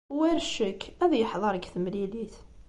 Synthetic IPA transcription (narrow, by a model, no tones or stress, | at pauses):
wæɾʃəkːæðæjəħðˤɑɾəɡθəmliliθ